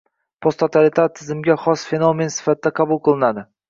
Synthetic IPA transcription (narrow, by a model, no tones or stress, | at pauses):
pʰost̪ʰot̪ʰaɾɪt̪ʰaɾt̪ʰːɪzɪmɡʲaχɒsfe̞nome̞nsɪ̥fat̪ʰɪd̪aqʰɑbʊlˠqɨlˠɪnad̪ɪ